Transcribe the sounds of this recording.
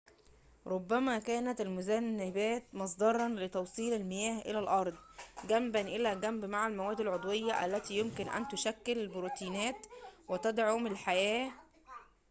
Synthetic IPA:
ɾˤobːæmæːkæːnæt̪ælmʊzænːɪbæːt̪mɑs̬ˤd̪ɑɾˤɑnlet̪ɑwsˤiːlælmɪjæːhʔḛlælʔɑɾˤd̪ˤɡæmbænʔɪlæːɡæmbmaʕalmæwæːd̪ɪlʕod̪ˤwejːɑʔæ̰lːæt̪iːjomkɪnʔæ̰nt̪ʊʃækːellbɾuːt̪iːnæːt̪wɪt̪æd̪ʕomɪlħajæː

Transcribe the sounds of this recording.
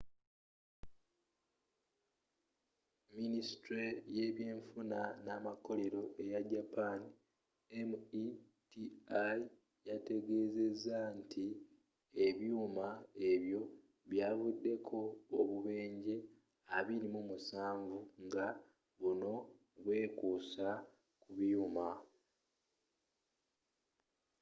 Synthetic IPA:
minisi̥tɾeje̞ːβje̞ːɱfunanaːmako̞le̞ɾo̞ʔe̞jaɟapaːni | emui | tiai | jate̞ɡe̞ːze̞zːantʰi | e̞βjuːmae̞βjo̞ | βjaːvudːe̞kʰo̞ːβuβe̞ːɲɟe̞ | aβiɾimumusaːɱvuŋɡa | βuno̞ | βwe̞ːkuːsa | kuβjuːma

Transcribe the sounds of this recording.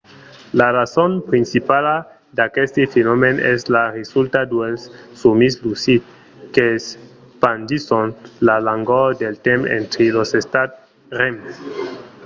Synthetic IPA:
larasonpɾinsipala | d̪akest̪ifenomeneslaresult̪ad̪welsːumislusit̪ | kes | pand͡ʒisonlalaŋɡod̪elt̪emḛ̃nt̪ɾilosest̪at̪ | ɾemes

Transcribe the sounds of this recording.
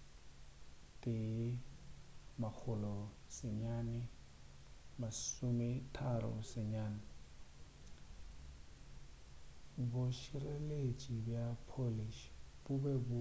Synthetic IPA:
tʼɪ | mak͡xʰʊlɔ | sɪɲaːnɪ | masʊmɪtʰaɾɔ̰sɪɲaːnɪ | bʊʃirelet͡ʃʼibjapʰoliʃb̥ʊbɛbʊ

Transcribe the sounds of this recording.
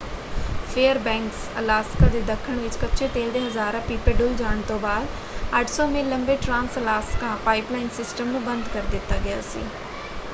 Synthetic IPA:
pʰeːəɾbɛ̃ːŋksə̰laːskãːd̪eːd̪əkʰːəɳ̃ʋɪt͡ʃkətːʃʰeːt̪eːld̪eːɦəzaːɾãːpiːpeːɖʊld͡ʒaːɳ̃t̪õːbaːd̪ | əʈʰsɔːmẽːləmbeːʈɾãːnsəlaːskãːpaːɪplaːɪnsɪsʈəmnũːbənd̪kəɾd̪ɪt̪ːaːɡɪja̰ːsḭː

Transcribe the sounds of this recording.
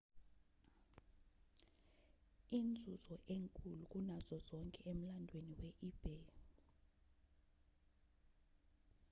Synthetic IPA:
iːnd͡zʱuz̥ɔʔeŋkʼuluk̬ʼunazɔzɔŋkʼɛem̩landʱweniwɛʔib̥ʱe

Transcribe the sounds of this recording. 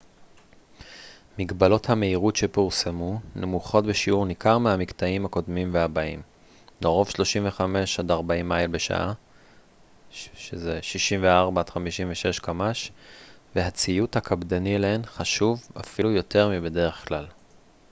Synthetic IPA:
miɡbalo̞thame̞iʁutʃepuʁsemunʔemuχo̞tbeʃiuʁnikaʁmehamikt̪aimhako̞dmimveabaim | noʁo̞fʃlo̞ʃimve̞χame̞ʃadaʁbaimːajlbeʃa̰ʔa | ʃezeʃiʃimveaʁbatχamiʃiɱveʃe̞ʃkamaʃveɦat͡sijuthakʰabdanilaenχaʃuva̰filujo̞te̞ʁmibe̞de̞ʁe̞χklal

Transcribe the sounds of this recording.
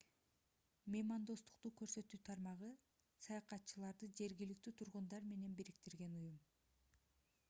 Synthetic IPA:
mʲemɑnd̪o̞st̪u̥qt̪uːkø̞ɾsø̞t̪yːt̪ʰɑɾmɑʁɯ | sɑjɑqɑt̪t͡ʃɯlˠɑɾd̪ɯd͡ʒe̞ɾɡilik̚t̪yːt̪ʰuɾʁund̪ɑɾme̞ne̞nbiɾik̚t̪iɾɡe̞nujum

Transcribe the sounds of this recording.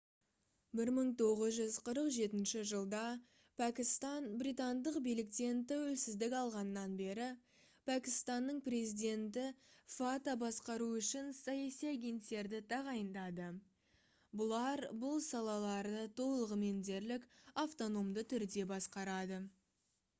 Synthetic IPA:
bɪɾməɴt̪ʰo̞ʁəzʒʏzqʰəɾəqʒe̞t̪ɪnʃɪʒəlˠd̪ɑ | pʰækʲɪst̪ɑnbrijt̪and̪əqbijlɪk̚t̪e̞nt̪æwɵlsɪzd̪ɪkʲɑlˠʁɑnəːɑnbe̞ɾɪ | pʰækʲɪst̪ɑnːəɴpre̞zid̪ʲe̞nt̪ɪfat̪abɑsqɑɾuʏʃɪnsɑjɑsijaɡʲe̞nt̪ːe̞ɾd̪ɪt̪ʰɑʁɑjənd̪ɑd̪ə | bʊlˠɑɾbʊlˠsɑlˠɑlˠɑɾd̪ət̪ʰo̞llˠəʁəme̞nd̪e̞ɾlɪkaft̪o̞no̞md̪ət̪ʰʏɾd̪e̞bɑsqɑɾɑd̪ə

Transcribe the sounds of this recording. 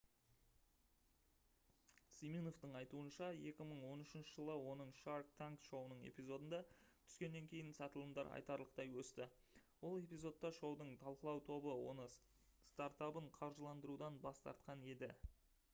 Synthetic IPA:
simijno̞ft̪əɴɑjt̪uənʃɑje̞kʲɪməɴwo̞nʏʃɪnʃəʒəlˠəwo̞nəɴʃaɾk̚t̪ʰaŋkʃo̞wənəɴe̞̰pijzo̞d̪ənd̪ɑt̪ʰʏ̥kʲe̞nːe̞ŋkʲʰe̞jɪnsɑt̪əlˠəmd̪ɑɾɑ̰jt̪ɑɾlˠəq̚t̪ɑjwɵst̪ɪ | wo̞lˠe̞pʲijzo̞t̪ːɑʃo̞wd̪əɴt̪ʰɑlˠqəlˠɑwt̪ʰo̞bəwo̞̰nə | st̪aɾt̪apəɴqʰɑɾʒəlˠɑnd̪əɾud̪ɑnbɑst̪ɑ̰ɾt̪̚qɑne̞d̪ɪ

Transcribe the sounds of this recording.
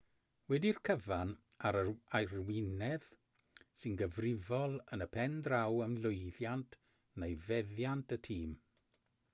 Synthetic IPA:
wɛdirkʰəvan | aɾəajrwɪnɛð̥ | sɪnɡəvrɪvɔlˠənəpʰɛndrawəmlʊɨðjantʰ | nejvɛðjantʰətʰiːm

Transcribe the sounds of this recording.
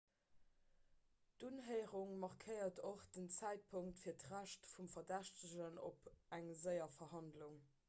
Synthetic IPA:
d̥unɦəɪʁuŋmɑʁkʰəɪɐtoχd̥ənt͡sæɪt̚pʰʊŋtfiːɐtʁæʃtfumfɐdæʃtəʑəno̰pæŋzəɪɐfɐɦɑndluŋ

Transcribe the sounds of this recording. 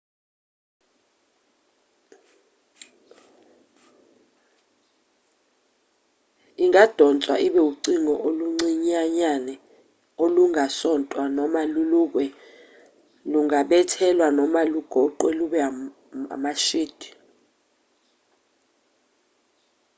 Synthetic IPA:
iŋad̥ʱɔnt͡sʼwa̰ʔiɓɛuǀiŋɔʔoluŋ͡ǀiɲaɲanɛ | oluŋasɔntʼwanɔmaluluk̬wɛ | luŋaɓɛtʰɛlwanɔmaluɡ̥ʱɔǃwɛluɓɛa | a̰maʃiːd̥ʱi̥

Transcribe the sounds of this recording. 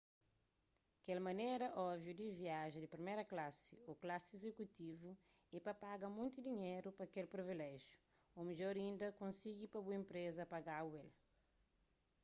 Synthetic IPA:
kɛlmɐ̃nejɾɐʔɔbvjud̪iviaʒɐd̪ipɾimejɾɐklasḭuklasezekut̪ivu | ɛpɐpaɡɐmũj̃nt̪ud̪iɲejɾupɐkelpɾivilɛʒju̥ | umiʎɔɾĩnd̪ɐkõnsiɡipɐbuẽmpɾezɐpaɡawel

